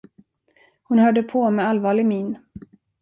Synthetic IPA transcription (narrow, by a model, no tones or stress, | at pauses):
hʊnhœːɖəpʰɔmɛalvɑːɭɪɡmiːn